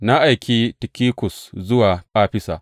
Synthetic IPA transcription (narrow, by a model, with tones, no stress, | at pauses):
na˦ʔa˨jkʲiː˦tɪ˨kʲiː˦kʷʊ˨szʊ˦waː˨ʔaː˦ɸɪ˦saː˨